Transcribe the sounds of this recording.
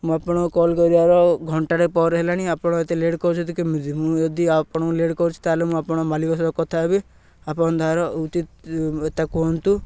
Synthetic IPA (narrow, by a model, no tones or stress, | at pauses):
mũapɔɽ̃ɔkɔlkɔɾiaɾɔɡʱɔɳʈaɽepɔɾɦelañiapɔɽ̃ɔet̪eleɽkɔɾut͡ʃʰɔt̪ukimd̪mũd͡ʒɔd̪iapɔɽ̃ɔleɽkɔɾut͡ʃʰu̥t̪alemũapɔɽ̃ɔmalikɔsɾɔkɔt̪ʰabi | apɔɽ̃ɔd̪ʱaɾɔut͡ʃit̪et̪akuɔnt̪u